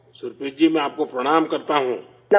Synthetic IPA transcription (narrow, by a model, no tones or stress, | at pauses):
sʊɾpɪd͡ʒimẽaːp̚kopɾɐɽ̃aːmkɐɾt̪aɦũː